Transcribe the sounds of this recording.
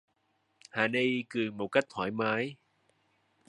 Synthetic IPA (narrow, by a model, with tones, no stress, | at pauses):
haː˨˩nə˧jkɨ˨˩mo˨˩t̚ka˦˥jk̟̚t̪ʰwaː˧˩jmaː˨˦j